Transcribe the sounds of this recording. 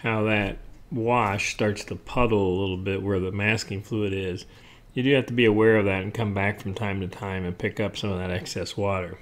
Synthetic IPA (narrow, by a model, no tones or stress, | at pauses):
haʊðɨt̚wɑʃstɑɹtstʰəpʰʌɾl̩ˠəlɪɾl̩ˠbɪʔ̚wə˞ðəmæskɪ̃ŋfluɾɪz̥ | jɨdɨhæftəbiəwɛɹʌvðɨɾɨ̃n̩kʰʌ̃mbækfɹʌ̃mtʰãɪ̃mtɨtʰãɪ̃mɨ̃npʰɪkʌpsʌ̃mʌvðɨɾɛksɛswɔɾə˞